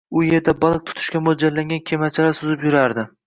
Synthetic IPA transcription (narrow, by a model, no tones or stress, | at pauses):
ʊje̞ɾd̪abalˠk̚t̪ʰʊ̥t̪ʰɪ̥ʃkʲamod͡ʒaɾlaŋɡʲankʲʰemat͡ʃʰalasʊzɪpjʊɾaɾd̪ɪ